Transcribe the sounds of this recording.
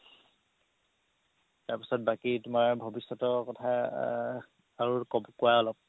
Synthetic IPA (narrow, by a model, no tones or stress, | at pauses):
taɹpi̥sɔt̚bakitʊmaɹbʱɔbisːɔtɔkɔtʰa | aɹukɔbkoaɔlɔp̚